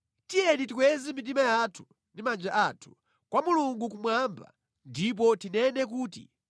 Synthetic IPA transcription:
tijɛnitikwɛzimit̬imajatʰu̥ | ndimand͡ʒaʔaːtʰu̥ | kwamuluŋɡuk̬umwamba̰ | ndip̬ɔtinɛnɛk̬uːtḭ

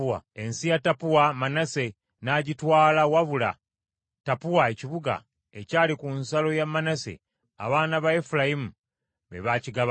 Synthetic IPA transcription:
a̰e̞nsijatapuwamanase̞ | naɟitwaːlawaβula̰ | tapuwaeciβuɡa̰ | ecaːlikunsalo̞jamːanasḛ | a̰βaːnaβaefulajimu | βḛβaːciɡaβ

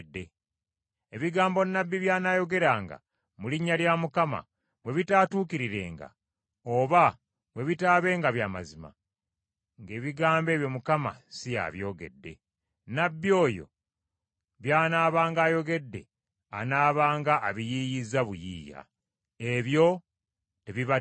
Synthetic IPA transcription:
dːe̞ | eβiɡaːmbo̞nːabːiβjaːnaːjo̞ɡe̞ɾaːŋɡa̰ | muliɲːaljamukama̰ | βwe̞βitaːtuːkiɾiɾe̞̰ːŋɡa̰ | o̞βa | βwe̞βitaːβe̞ːŋɡaβjama̰zima̰ | ŋɡe̞ːβiɡaːmbe̞ːβjo̞mukama̰sija̰βjo̞ːɡe̞̰dːe̞̰ | nabːio̞ːjo̞̰ | βjaːnaːβaːŋɡaːjo̞ɡe̞dːe̞̰ | a̰naːβaːŋɡaʔːβijiːjizːaβujḭːja̰ | e̞βjo̞ | teβiβa

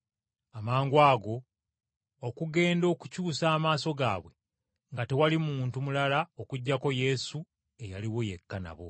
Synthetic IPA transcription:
amaːŋɡwaːɡo̞ː | kuɡe̞ːndo̞ːkucuːsaːmaːso̞ɡa̰ːβwe̞ | ŋɡate̞walimuːntumulalaokuɟːako̞je̞su | e̞jaliwo̞je̞kːana̰βo̞̰

